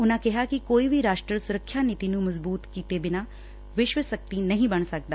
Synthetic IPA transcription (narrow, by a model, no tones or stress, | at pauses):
ʊnãkɛɦakikoːibʱiɾaːʃʈɾəsʊɾəkʰʃjaniːt̪inũmɐzbuːt̪kiːt̪ebɪna | ʋɪʃʋəsɐk̚t̪inɐɦĩbɐɳ̃sɐk̚d̪aː